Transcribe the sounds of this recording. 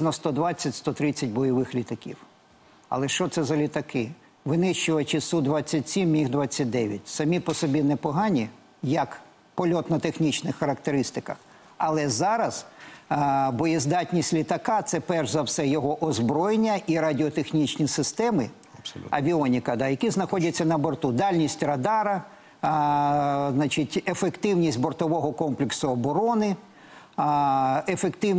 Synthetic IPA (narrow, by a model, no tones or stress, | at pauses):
nɔst̪ɔd̪ʋɑt͡sʲːɐtʲst̪ɔt̪ɾɪt͡sʲːɐtʲbɔjɔʋɪxlʲit̪ɐkʲḭw | ɐ̰lˠɛʃt͡ʃɔt̪sɛzɐlʲit̪ɐkɪ | ʋɪnɪʃt͡ʃʊʋɐt͡ʃɪsud̪ʋɑt͡sʲːɐtʲsʲimːʲixd̪ʋɑt͡sʲːɐt̚ʲd̪ɛʋʲjɐtʲsɐmʲipɔsɔbʲinɛpɔɦɑnʲi | jɐk | pɔlʲɔt̪nɐt̪exnʲit͡ʃnɪxːɐɾɐkt̪eɾɪst̪ɪkɐx | ɐlˠɛzɑɾɐz | bɔjizd̪ɑtʲnʲisʲtʲlʲit̪ɐkɑt̪sɛpɛrʒzɐwsɛjɔɦɔʔɔzbɾɔjenʲːɐʔiɾɐdʲɪɔt̪exnʲit͡ʃnʲisɪst̪ɛmɪ | ɐʋʲiɔnʲɪkɐd̪ɑjɐkʲiznɐxɔdʲɐtt͡sʲːɐnɐbɔrt̪ud̪ɑlʲnʲisʲtʲrɐd̪ɑɾɐ | znɑt͡ʃɪtʲefekt̪ɪwnʲisʲtʲbɔrt̪ɔʋɔɦɔkɔmplʲɪksʊɔbɔɾɔnɪ | efekt̪ɪ